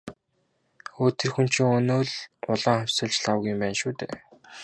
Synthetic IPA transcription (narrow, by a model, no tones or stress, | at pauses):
oːt̪ĕrxun̥t͡ɕʰĭŋɵnoːɮʊɮaːŋχæwʲsə̆ɮt͡ɕɮawə̆ɣɪ̆mpæːnʃuːt̪eː